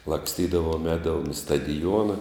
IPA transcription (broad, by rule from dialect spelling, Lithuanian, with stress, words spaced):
lˠɐksʲˈtʲiːdɐʋoːm ˈɛːdɐʋoːm ɪ stɐdʲɪˈjuɔnɐ